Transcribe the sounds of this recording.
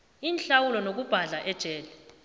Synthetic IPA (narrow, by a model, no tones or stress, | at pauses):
iːnɬawulɔnok̬ub̥ʱaɮaʔɛd̥ʒ̥ʱɛːlɛ